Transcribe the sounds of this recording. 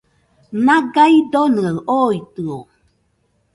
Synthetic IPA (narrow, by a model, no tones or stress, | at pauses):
naɡaid̪onɯaʔojt̪ɯo